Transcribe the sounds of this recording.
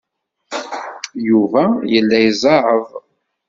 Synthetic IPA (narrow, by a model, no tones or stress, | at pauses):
juvæjəlːæjzˤɑɾˤəv